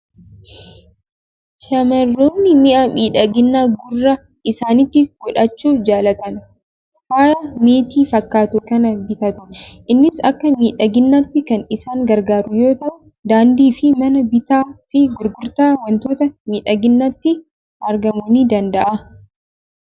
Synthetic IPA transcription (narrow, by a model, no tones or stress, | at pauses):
ʃɐmɐrːoːnːɪmɪʔamiːᶑɐɡɪnːaːɡʊrːɐ | ʔɪsaːnɪt̪ːɪɡ̥ɔᶑɐt͡ʃːuːfd͡ʒaːlɐt̪ɐn | waːjɐmeːt̪iːfɐkːaːt̪ʊkɐnɐbɪt̪ɐt̪ʊnʔɪnːɪsɐkːɐmiːᶑɐɡɪnːɐt̪ːɪkɐnɪsaːŋɡɐɾɡaːɾʊjo̞ːt̪ɐʔʊ | d̪aːnd̪iːfɪmɐnɐbɪt̪aːfɪɡʊɾɡʊɾt̪aːwɐnt̪oːt̪ɐmiːᶑɐɡɪnːɐt̪ːɪ | ʔɐɾɡɐmoniːd̪ɐnd̪ɐʔɐ